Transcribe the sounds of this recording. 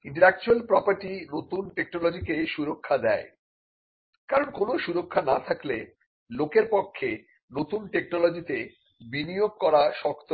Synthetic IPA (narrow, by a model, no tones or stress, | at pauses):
iɳʈ̬eɾɛk̚t͡ɕualpɾɔpaɾʈinot̪unʈeknolod͡ʑikeʃuɾokʰːad̪ɛe | kaɾonkonoʃuɾokʰːanat̪ʰakle | lokeɾpokʰːe | not̪unʈeknɔlod͡ʑit̪e | binijoɡ̚kɔɾaʃɔkt̪o